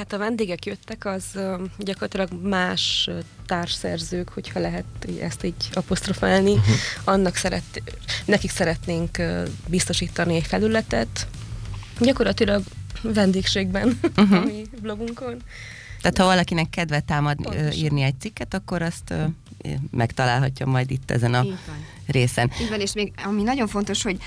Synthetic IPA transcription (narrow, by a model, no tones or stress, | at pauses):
hat̪ɒvɛnd̪eːɡɛkjøt̪ːɛkɒzɟɒkorlɒt̪ilɒɡmaːʃ | t̪aːrʃsɛ̰rzøːkho̞chɒlɛɦɛt̪iɛ̰st̪iːɟɒpo̞st̪ro̞faːlniɒnːɒksɛɾɛt̪ːnɛkiksɛɾɛt̪neːŋkːbist̪o̞ʃiːt̪ɒniɛcfɛlylɛt̪ɛt̪ | ɟɒko̞rɾlɒt̪ilɒɡvɛnd̪eːkʃeːɡ̚bɛnɦmiblobuŋko̞n | t̪aːt̪hɒvɒlɒkinɛkːɛd̪ʋɛt̪ːaːmɒd̪nḭːrniɛc̚t̪sikːɛt̪ɒkːo̞ɾɒst̪ː | mʔɛkt̪ɒlaːlɦɒcːomːɒjd̪it̪ːɛ̰zɛnɒn | reːsɛnivɛneːʃmeːɡɒminɒɟo̞ɱfo̞nt̪oʃho̞ɟ